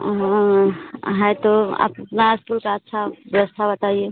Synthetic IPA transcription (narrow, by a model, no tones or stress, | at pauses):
ɦã | ɦajt̪oa̰ppnaskulkaətːʃʰaʋəʋəst̪ʰabət̪aie